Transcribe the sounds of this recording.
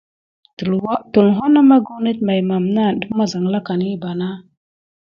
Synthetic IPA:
tu˨lwa˦tu˨lɦo˦na˦ma˦ɡu˦ni˦t̚ma˨jma˨mna˦˨də˦ma˦za˨ŋla˦ka˨ni˦ba˨na˦

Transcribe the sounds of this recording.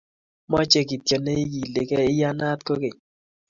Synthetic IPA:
mɔ˦t͡ʃe˦ki˨tjo˨ne˦i˦ji˨le˨kɛ˦ɪ˦ja˦na˦t̪ko˦ke˨

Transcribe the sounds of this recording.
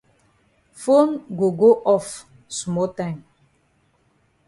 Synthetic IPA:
fo˦nɡo˨ɡo˦ʔɔ˦f | smɔ˦tã˦ɪ̃m

